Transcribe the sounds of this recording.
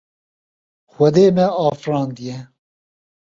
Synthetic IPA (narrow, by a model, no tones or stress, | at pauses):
xɐd̪eːmɛɑːfɾɑːnd̪ijɛ